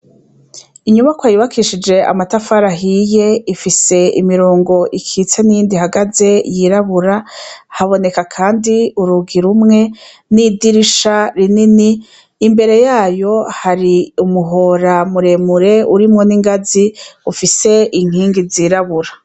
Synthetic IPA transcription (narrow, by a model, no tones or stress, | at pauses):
iɲumakwajuβakiʃid͡ʒe̞ʔa̰matafaɾaɦije̞ifise̞ḭmiɾoːŋɡo̞ʔikʰit͡senijiːndihaɡaze̞jiɾaβuɾahaβo̞ne̞kakʰaːndiuɾuɡiɾumŋe̞ | nidiɾiʃaɾininiː | mbe̞ɾe̞jaːjo̞haɾiumuɦo̞ɾamuɾe̞muɾe̞uɾimŋo̞niŋɡaziufise̞ʔiŋ̥iːŋɡiziːɾaβuɾa